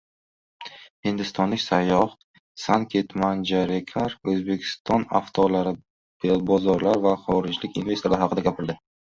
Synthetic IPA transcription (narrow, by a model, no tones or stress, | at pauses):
hɪnd̪ɪst̪ɒnlɪkʲsajːɒh | sankʲʰe̞t̪mand͡ʒaɾekʲʰaɾɵzbe̞kʲʰɪ̥st̪ʰɒna̰ft̪ʰɒlaɾɪ | b̥ebɒzɒɾlaɾvaχɒɾɪd͡ʒlɪkʲɪnve̞salaɾɪhɑqʰɨd̪aɡʲapʰɪɾd̪ɪ